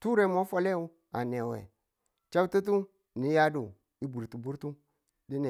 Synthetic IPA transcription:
tu˦ɾe˨mo˦fo˦le˦u˦ | a̰˨ne˨wḛ˨ | t͡ʃa˦u˦tu˦t̬u˦ | ni˨˦ja˦du˨ | i˦bu˨ɾtu˨bu˦ɾtu˦ | di˦ne˨

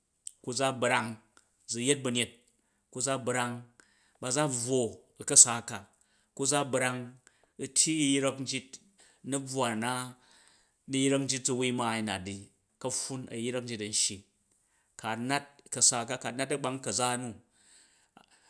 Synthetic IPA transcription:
ku˦d͡za˦bɾa˧ŋ | d͡zu˨je˦t̚bɐ˨˧nʲe˦t̚ | ku˦d͡za˦bɾa˧ŋ | ba˧d͡za˦b͡vwo˨ | ɐ˨kɐ˦saː˨ka˨ | ku˦d͡za˦bɾa˧ŋ | u˦tʲʰji˦jɾɐ˦kn̩˦d͡ʒi˦t̚ | nɐ˦b͡vwa˨na˦ | ni˦jɾɐ˦k̚n̩˦d͡ʒi˦t̚d͡zu˦˧wi˦ma˨i˨na̰˨t̚di˨ | kɐ˦ɸu˦nɐ̰˨jɾɐ˦k̚n̩˦d͡ʒi˦tɐ˨n̩˦ʃji˨ | ka˨na˦t̚kɐ˨saː˧ka˦ka˨na˦tɐ˦ɡ͡ba˧ŋkɐ˨d͡za˦nu˦

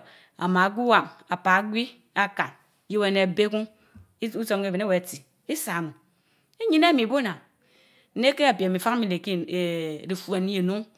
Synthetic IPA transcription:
a̰˨ma˨˦ɡʷi˦wa˨ŋa˨pa˨˦ɡʷi˦ | a˦ka˨n˦ | ji˦we˦˨ne˨a˨be˦ku˦ŋ˦ | u˦so˨mke˦ve˨ne˦we˨a˨ti˨ | i˦sa˨m˨ | e˦ɲi˦na˦mi˨bo˦na˨ | n̩˦ne˦ke˦a˨pja˨mi˨fa˦kmi˨le˨ki˦e˨ɾi˨fu˨e˨ni˦je˨nu˦ŋ

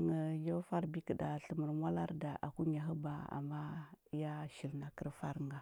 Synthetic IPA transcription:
ŋə˨jo˦fa˦ɾbi˦kə˨da˨ɬə˨mə˨ɾmʷ˦a˦la˦ɾda˨ʔa̰˨ku˦ɲa˨ɦə˦ba˨a̰˨ma˦ja˦ʃi˨lna˨kə˦ɾfa˦ɾŋɡa˨

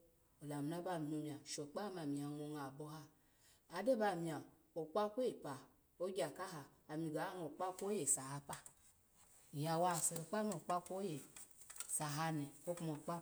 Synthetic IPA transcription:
o˨la˨m˨na˦ba˦˨n˨mu˨mi˨a˨ʃo˨k͡pa˦ma˨mi˨a˨ŋo˨ŋa˨bo˦ha˦ | a˨˦de˦ba˨mi˨a˨ | o˨k͡pa˦kʷpa˨ | o˦ɡʲa˨ka˦ɦaː˨mi˨ɡa˨a˦no˨k͡pa˦kʷo˦je˨sa˨ha˦pa˨ | ja˨wa˦˨se˨ɾo˨k͡pa˦mo˨k͡pa˦kʷo˦je˨ | sa˨ɦa˦nɛ˨ko˦kmo˨k͡pa˦

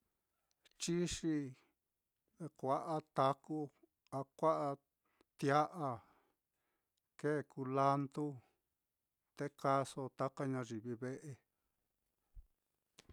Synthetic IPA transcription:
t͡ʃi˦ʂi˧ | kʷa˧ʔa˦t̪a˧ku˦ | a˧kʷa˦ʔa˧ | t̪ja˦ʔa˧ | ke˦˨ku˧la˦nd̪u˦ | t̪e˦ka˧so˧t̪a˦ka˦ɲã˧ʐi˨βi˧βe˦ʔe˧

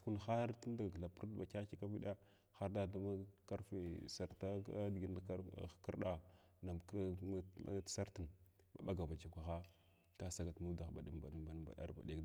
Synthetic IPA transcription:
ku˦n˨xa˦ɾti˦n˦da˨ɡla˨pu˦ɾdba˨ka˦ki˦ka˦vi˦ɗa˦ | xa˦ɾda˦da˦ma˦ka˦ɾfe˨sa˨ɾta˦dɡi˦n˨˦˨kə˦ɾɗa˨ | na˨m̰˦ | sa˦ɾti˨n | ba̰˨ɓa˦ɡa˨va˨t͡ʃa˨kʷa˨xa˦ | ka˦sa˨ɡa˨tmu˦da˨xba˨ɗi˨mba̰˨ɗi˨mba˨n˨ba̰˨ɗa̰˦ɾba̰˨ɗe˦kd

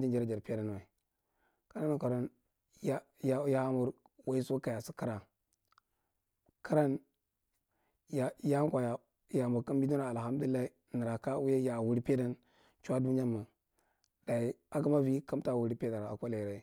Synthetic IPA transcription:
d͡ʒi˦nd͡ʒa˨ɾa˦˨d͡ʒa˨ɾpe˦da˦n˨wa˨i˨ | ka˦ɾa˦na˨ka˨ɾo˦n | ja˦ja˦ja˦mu˨ɾ | wa˦i˦so˦ka˨ja˨si˦ka˦ɾa˨ | ka˦ɾa˦n | ja˨ja˦kʷa˨ja˨ | ja˨mu˨ɾka˦mbi˦du˦a˦a˨ha˦m˦du˦li˦a˦i˦ | ni˨ɾa˨ka˦wu˦ja˦ja˨wu˨ɾi˦pe˦da˦n | t͡ʃu˦a˦du˦n˦d͡ʒa˦ma˨ | d̥a˨i˨a˦ka˦ma˦vi˦ka˦m˦ta˨wu˨ɾi˦pe˦da˨ɾa̰˨kʷa˦la˨i˨ɾa˨i˨˦

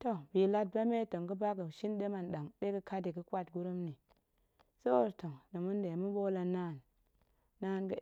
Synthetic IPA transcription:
to˦bi˨la˦t̚ba˦me˦to˨ŋɡə˦ba˦ɡə˨ʃi˦nɗe˦ma˨nɗa˨ŋɗe˦kə˦ka˦di˨ɡə˦kʷa˦˨t̚ɡu˦ɾu˦mni˨ | so˦˨ɾto˨ŋnə˨mu˦nde˨mu˦bo˦la˨na˦˨nː | a˦nɡə˦

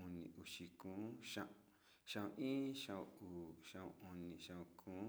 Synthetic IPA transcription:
u˧nḭ̃˧˨u˨ʃi˧kũː˨˦ʃã˧ʔ | ʃã˧˨ũ˧ʔĩː˦ʃã˧ũ˧uː˨ʃã˧ṵ̃˧u˧nĩ˧ʃã˧ũ˧kʰũː˨˦

